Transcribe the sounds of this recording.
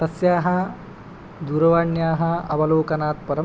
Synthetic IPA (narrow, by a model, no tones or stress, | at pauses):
t̪ɐsjaːɦɐ | d̪uːɾɐʋaːɳjaːɦɐɐʋɐloːkɐnaːt̪̚pɐɾɐ